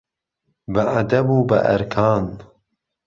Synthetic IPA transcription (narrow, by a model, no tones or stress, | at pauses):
bɐʔad̪ɐbuːbɐ̰ʔɐ̰ɾkʰaːn